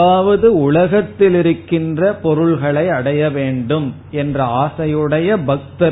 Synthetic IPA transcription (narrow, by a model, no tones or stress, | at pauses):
aːʋɐðɯʊɭɐɣɐt̪ːɪlɪɾɯkːɪndrɐpɔɾɯɭɣɐɭɐɪɐɽɐjɐʋeːɳɖɯm | ɛndrɐaːsɐjɯɽɐjɐbɐk̚t̪ɐ